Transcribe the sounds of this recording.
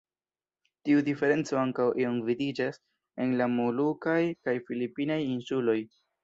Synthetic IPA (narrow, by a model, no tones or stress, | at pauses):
tiudife̞ɾe̞nt͡so̞aŋkawʔio̞mvidid͡ʒas | e̞nlamulukajkajfilipinajinsulo̞j